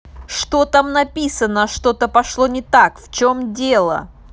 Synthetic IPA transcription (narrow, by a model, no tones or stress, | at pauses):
ʂt̪ot̪amnɐpʲisənəʂt̪o̞t̪əpɐʂlˠonʲɪt̪akft͡ɕomdʲelˠə̰